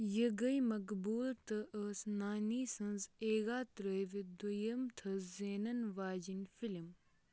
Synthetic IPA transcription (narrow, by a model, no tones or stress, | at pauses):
jəɡɐjmɐkbuːlt̪ɐʔəːsnaːniːsɐ̃nzeːɡaːt̪ɾəjʋid̪ujɐmt̪ʰɐzeːnɐnʋaːd͡ʒinfilm